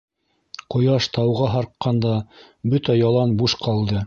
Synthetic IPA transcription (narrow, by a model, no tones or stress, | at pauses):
qŏjɑʃt̪ɑwʁɑɦɑɾqːɑnd̪ɑ | bɵt̪æjɑlˠɑnbuʃqʰɑlˠd̪ɤ